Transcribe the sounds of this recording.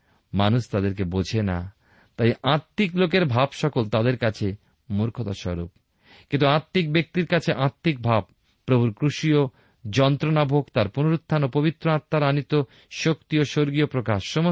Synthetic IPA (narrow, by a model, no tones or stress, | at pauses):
manuʃt̪ad̪eɾkebod͡ʑʱena̰ | t̪ajʔãt̪ːiklokeɾbʱabʃɔkolt̪ad̪eɾkat͡ɕʰe | muɾkʰot̪aʃɔ̰ɾṵp̚ | kint̪uãt̪ːik̚bek̚t̪iɾkat͡ɕʰeʔãt̪ːik̚bʱab̚ː | ɾobʱuɾkɾuʃio | d͡ʑɔnt̪ɾonabʱoɡt̪aɾpunoɾut̪ʰːanopobit̪ːɾoat̪ːaɾanit̪o | ʃokt̪ioʃoɾɡiopɾokaʃːɔmo